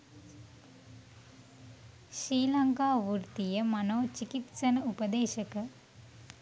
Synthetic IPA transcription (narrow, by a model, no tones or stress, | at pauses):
ʃɾiːlɐŋkaːʋuɾt̪ijɐmɐnoːt͡ʃikit̪sɐnɐupɐd̪eːʃɐkɐ